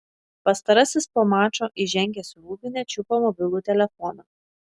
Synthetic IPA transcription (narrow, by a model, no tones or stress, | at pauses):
pɐst̪ɐɾɐsʲɪspoːmɑːt͡ʃoːʔiʒʲɛŋʲɡʲɛsʲʊuːbʲɪnʲɛt͡ʃʲʊpoːmɔbʲɪlˠuːt̪ʲɛlʲɛfɔnoː